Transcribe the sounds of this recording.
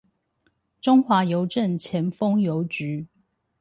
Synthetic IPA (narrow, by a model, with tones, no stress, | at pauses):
ʈ͡ʂʊ˦˥ŋxwa˨˥jo˨˦ʊʈ͡ʂə˥˨nt͡ɕʰjɛ˨˦nfo˥ŋjo˨˦ʊt͡ɕy˨˦